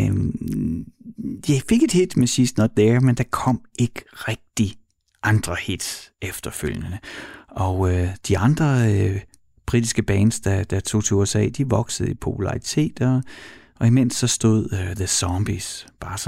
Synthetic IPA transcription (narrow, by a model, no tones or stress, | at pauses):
jaɪfe̝ɡ̥e̝d̥hed̥mesiːsd̥nɒ̽d̥dæɐmend̥ɑ̈kʰɒ̽m̰e̝ɡ̥əʁɛɡ̥̚d̥i | ʔɑ̈nd̥ʁɐhed̥efd̥ɐføl̰jənəɒ̽ød̥iɑ̈nd̥ʁɐø | b̥ʁid̥isɡ̥əb̥ɛːnsd̥ɑd̥ɑt͡sʰo̝̰ːt͡sʰeuesɛ̰ːd̥iʋɒ̽ɡ̥səð̩ˠipʰo̝pʰulɑ̈it͡sʰe̝̰ːd̥ɒ | ɒ̽imen̰sːɒ̽sd̥o̝ð̞̰ˠðəsɒmb̥isb̥ɑ̈ːs